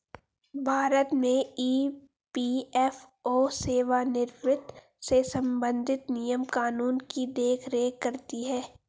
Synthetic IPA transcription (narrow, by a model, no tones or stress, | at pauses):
bʱaːɾət̪mẽiː | piːɛf | oːseːʋanɪɾʋɪt̪ | sesɐ̃mbə̃nd̪ʱɪt̪nijəmkaːnuːnkid̪eːkʰɾeːkːɐɾt̪iɦɛː